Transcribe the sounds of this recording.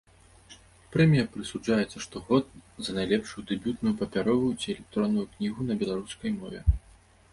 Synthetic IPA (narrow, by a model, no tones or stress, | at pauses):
pɾɛmʲijɐpɾɨsud͡ʐajɛt̪sɐʂt̪ɔɣɔt̪̚zɐnajlʲɛpʂujud̪ɨbʲut̪nujupɐpʲaɾɔvut͡sʲiɛlʲɛk̚t̪ɾɔnːujuknʲiɣunɐbʲɛlˠaɾuskɐjmɔvʲɛ̰